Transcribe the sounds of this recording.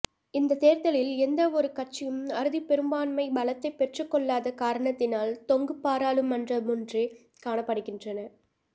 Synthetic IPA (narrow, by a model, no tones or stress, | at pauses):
ɪnd̪ɐt̪eːɾt̪ɐlɪlɛnd̪ɐɔɾɯkɐʈt͡ʃːɪjɯmɐɾɯðipɛɾɯmbaːnmɐɪbɐlɐt̪ːɐɪpːɛʈrɯkːɔɭːaːðɐkaːɾɐɳɐt̪ːɪnaːlt̪ɔŋɡɯpːaːɾaːlɯmɐndrɐmʊndre | kaːɳɐpːɐɽɯɣɪndrɐnɐɾ